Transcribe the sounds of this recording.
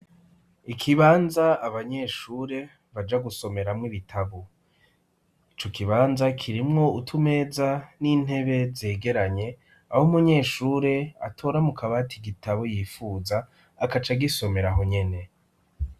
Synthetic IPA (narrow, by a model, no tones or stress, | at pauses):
ikʰiβaːnzaːβaɲe̞ːʃuːɾe̞ | βad͡ʒaɡuso̞me̞ɾamŋiβitʰaβo | it͡ʃo̞kiβaːnzakʰiɾimŋo̞utʰume̞ːzanin̥he̞βe̞ze̞ːɡe̞ɾaɲe̞ | ahomuɲe̞ːʃuːɾe̞a̰tʰo̞ːɾamukʰaβaːtiɡitaβojiːfuːzaː | kat͡ʃaɡiso̞me̞ɾaɦo̞ɲe̞ne̞